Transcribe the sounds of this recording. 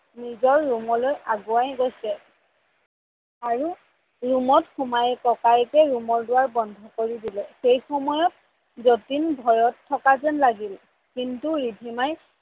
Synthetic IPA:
nizɔɹːumɔlojʔaɡʊajɡojsɛ | aɹu | ɹumɔtxumajɛkɔkajkɛɹumɔɹdʊwaɹbɔndʱɔkoɹidilɛxejxɔmɔjɔt | zotinbʱɔjɔtʰːɔkazɛnlaɡil | kintuɹibʱimaj

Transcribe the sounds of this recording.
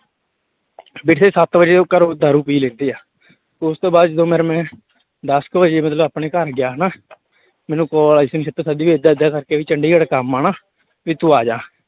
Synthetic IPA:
bɪʈ̪ʰeːsət̪bəd͡ʒeːõːkəɾoːd̪aːɾũːpiːlẽːnd̪eːaː | ʊst̪õːbaːd̪d͡ʒəd̪õːmɛːɾmɛ̃ː | d̪əskbəd͡ʒeːmət̪ləbaːpneːkəɾɡɪjaːɦənaː | mɛːnũːkɔːlaɪsnʃət̪ːəsəd̪iːʋeːd̪aːd̪jaːkəɾkeʋiːt͡ʃəɳɖiːkəɽkəmːaːnaː | ʋiːt̪ũːaːd͡ʒãː

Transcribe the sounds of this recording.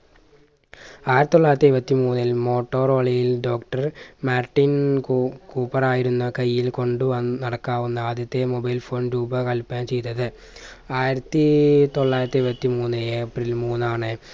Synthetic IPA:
aːjiɾɐt̪it̪oɭːaːjɾɐt̪ːiɾbɐt̪ːimuːnːilmo̞ːʈːo̞ːrɐɭijilɖo̞ːkʈɐrmaːrʈːin | kuːpːɐraːjiɾunːɐkɐjːilko̞ɳɖuʋɐnːɐɽɐkːaːʋunːɐaːd̪jɐt̪ːe̞mobɐjlfo̞ːnɾuːbɐkɐlpːaːnt͡ɕe̞jt̪ːɐðɨ | aːjiɾɐt̪ːɨt̪o̞ɭːaːjiɾɐt̪ːiɾbɐt̪ːimuːnːɨepːrilmuːnːaːɳɨ

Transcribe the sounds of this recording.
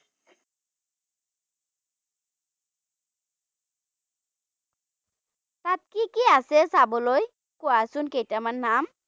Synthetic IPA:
t̪at̪̚kikiasesabɔloj | kɔasunkejtamanːam

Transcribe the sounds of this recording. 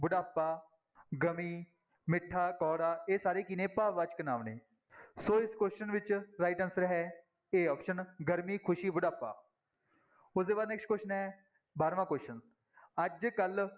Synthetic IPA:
bʊɖaːpːaː | ɡəmiː | mɪʈʰːaːkɔːɽaːeːsaːɾeːkɪnẽːpaːʋaːt͡ʃkənaːʋneː | soːɪskosʃənʋɪt͡ʃɾaːɪʈənsɾɦɛː | eːɔːpʃənɡəɾmiːkʰʊʃiːbʊɖaːpːa̰ː | ʊsd̪eːbaːd̪nɛːksʈkʊʃənɛː | baːɾʋãːkoːsʃən | əd͡ʒkəl

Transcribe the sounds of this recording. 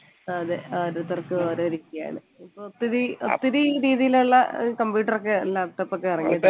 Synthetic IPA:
ɐðɨɾut̪ːɐrkɨoːɾoːɾikʲːɐja̰ːɳɨ | pːot̪ːiɾɨot̪ːiɾɨiːɾiːðijiluɭːɐkɐmbjuːʈːɐrok̬ːelaːpʈːɐpːokːeɐrɐŋːijɐðɨ

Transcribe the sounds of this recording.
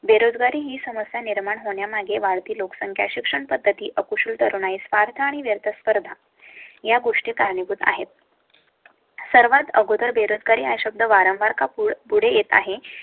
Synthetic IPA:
beɾod͡zɡaɾiːɦiːsəməsjaniɾmaɳɦoɳjamaɡeʋaɭt̪iːloksəŋkʰja̰ɕikʂəɳpəd̪ʱːət̪iːʔəkuɕuːlt̪əɾunaisʋaɾt̪ʰaːɽ̃iʋjəɾt̪ʰəspəɾd̪ʱa | jaɡoʂʈikaɾɳibud̪a̰ɦet̪̚ | səɾʋat̪əɡod̪əɾbeɾod͡zɡaɾiːajɕəb̚d̪ʱəʋaɾəmʋaɾkapuɽ̤ejet̪a̰ɦe

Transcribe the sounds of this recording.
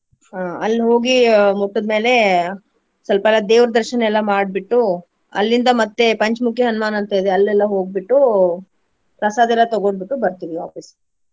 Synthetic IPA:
ɦaɐlːɦo̞ːɡimuʈːud̪me̞ːle̞ | sɐlpɐɛlːɐd̪eːʋɾɐd̪ɐɾʃɐnɛlːɐmaːɽ̚biʈːu | ɐ̰lːind̪ɐmɐt̪ːe̞pɐɲt͡ʃmukʰjɐɦɐnɐmaːnɐnt̪ɐid̪eɐlːɛlːɐɦoːɡ̚biʈːu | pɾɐsaːd̪ɛlːɐt̪ɐɡoɳbiʈːubɐɾt̪iʋiʋa̰ːpis

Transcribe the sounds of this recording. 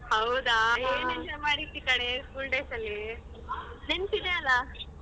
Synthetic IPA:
ɦɐwd̪aeːnend͡ʒɐɾmaːɽit̪ːikɐɽeskuːlʈeːsɐlːi | d̪insid̪eɐlːa

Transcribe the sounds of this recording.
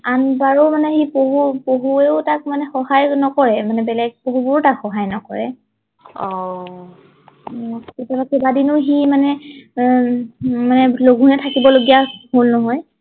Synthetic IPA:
anbaɹomanɛxipoɦupoɦueʊtak̚manɛxɔhajnɔkɔɹɛmanɛbɛlɛɡ̚poɦubʊɹtakxɔɦajnɔkɔɹɛ̰ | ɔ | ketabakebadinʊximanɛ | manɛloɡʱunɛtʰakibɔloɡijaholnɔɦɔj

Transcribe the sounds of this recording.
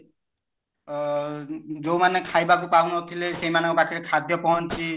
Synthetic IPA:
zowmanɛkʰajbak̬upaɦunɔt̪ʰilesejmanɔkɔbakiɾɛkʰad̪jɔpɔɦɔnt͡ʃʰi

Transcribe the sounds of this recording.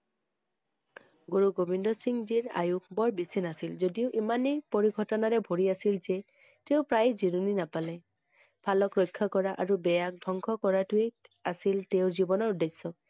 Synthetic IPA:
ɡoɹuɡobindɔsiŋziɹa̰juk̚bɔɹbisinasilzodiʊʔimanepoɹiɡʱɔtɔnaɹɛbʱoɹiasilze | teʊpɹajziɾuninapalɛ | bʰʱalɔkɹɔjkʰːakɔɹaʔaɹubɛjak̚dʱɔŋkʰɔkɔɹatʊeasilteʊɹzibɔnɔɹudesːɔ

